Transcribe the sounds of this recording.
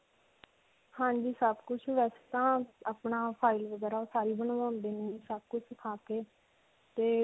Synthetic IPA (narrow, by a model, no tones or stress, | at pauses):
hãːɲd͡ʒiːsəbkʊt͡ʃʰʋɛːse̥t̪ãːaːpɳaːpʰaːɪlʋəɡɛːɾaːoːsaːɾiːbəɳ̃ːãːnd̪eːnĩsəb̚kʊt͡ʃʰsɪkʰaːkeː | t̪eː